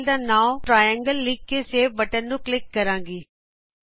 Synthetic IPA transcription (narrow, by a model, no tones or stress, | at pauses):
ld̪aːnãːʈɾaːjə̃ŋɡəlːiːɡ̚keseːbɐʈənːũklɪkːɐɾãːŋɡiː